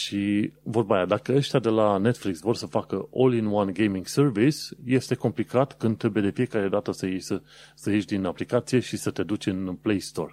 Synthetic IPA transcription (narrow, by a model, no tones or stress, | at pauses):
ʃivo̞rbajad̪akəəʃt̪ʲad̪e̞lane̞t̪fliksvo̞rʲsəfakəʔo̞linwanɡejmiŋɡsərvisje̞st̪e̞ko̞mplikat̪kɨnd̪ɾe̞bujed̪e̞fije̞kaɾe̞d̪at̪əsəjejsə | səje̞ʃd̪inaplikat̪sije̞ʃisət̪e̞d̪ut͡ʃʲɨnplejst̪o̞̰r